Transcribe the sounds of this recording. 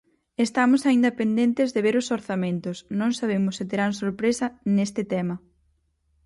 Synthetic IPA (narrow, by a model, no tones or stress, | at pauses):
est̪amʊsaind̪ɐpend̪ent̪ɪzðeβeɾʊsoɾθamẽnt̪ʊsnõŋsaβ̞emʊsːɪt̪eɾaŋsoɾpɾesɐnest̪ɪt̪ɛmɐ